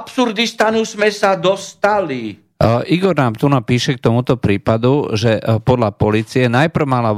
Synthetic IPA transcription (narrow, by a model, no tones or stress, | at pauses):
psuɾd̪ist̪anuzmɛsad̪ɔst̪ali | ʔiɡɔɾnaːmt̪unapiːʃɛk̚t̪ɔmut̪ɔpɾiːpad̪uʒɛpɔd̪lapɔliːt͡siɛnajpr̩ʊmala